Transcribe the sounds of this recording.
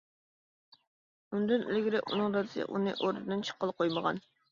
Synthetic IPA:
und̪ɨnḛlɡʲɪɾɛṵnɨŋɾɑd̪ɨsɨ̰ʔunɨ̰ʔoɾd̪ɨd̪ɨnt͡ʃʰə̥qʰːəlˠqʰojməʁɑ̰n

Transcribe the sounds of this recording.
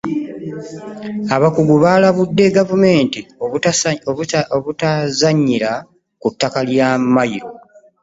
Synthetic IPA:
aβakuɡuβaːlaβudːe̞ɡavume̞ːntio | oβutazaɲːiɾa | kutːakaljamajiɾo̞

